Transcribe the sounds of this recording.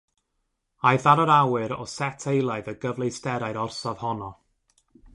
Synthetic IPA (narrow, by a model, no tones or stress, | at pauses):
ajðaɾəɾawɨɾɔ̰sɛtʰejlˠaɨðəɡəvlˠejstɛɾaɨɾɔrsav̥hɔnɔ